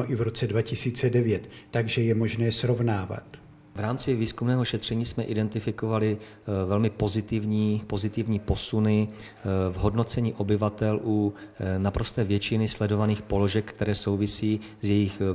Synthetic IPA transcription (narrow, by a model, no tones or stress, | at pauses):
oʔɪvɾot͡sɛdvacɪsiːt͡sɛdɛvjɛt̪ːaɡʒɛjɛmoʒnɛːsɾovnaːva̰t̪ | vɾaːmt͡sɪviːskumnɛːɦo̞ʃɛt̪r̝̥ɛɲiːsmɛʔɪdɛnt̪ɪfɪko̞valɪ | vɛlmɪpo̞zɪt̪ɪvɲiːpo̞zɪt̪ɪvɲiːpo̞sunɪ | vɦo̞dno̞t͡sɛɲiːʔo̞bɪvat̪ɛlʔunapɾo̞st̪ɛːvjɛt͡ʃɪnɪslɛdo̞vaniːxpo̞lo̞ʒɛkkt̪ɛɾɛːso̞wvɪsiː | zjɛjɪx